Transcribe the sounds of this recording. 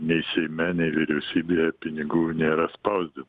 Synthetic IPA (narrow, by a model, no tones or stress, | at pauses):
nʲɛɪsʲɛɪmʲɛnʲɛɪʋʲɪɾʲɛʊsʲiːbʲejɛpʲɪnʲɪɡuːnʲeːɾɐspɐʊzʲd̪ʲɪm